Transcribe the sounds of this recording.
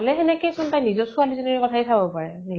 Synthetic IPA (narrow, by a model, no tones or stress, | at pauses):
lɛɦɛnɛkɛjsɔntãjnizɔsualizɔnɛɹɛkɔtʰajsʰabɔpaɹɛnil